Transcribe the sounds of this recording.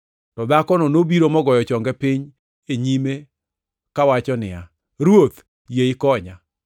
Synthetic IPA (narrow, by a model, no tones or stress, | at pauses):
tɔd̪akɔnɔnobiɾomɔɡɔjɔt͡ʃɔŋɡɛpɪɲ | eɲime | kawat͡ʃɔnɪ̰a | ɾwot̪ | jeɪkɔɲa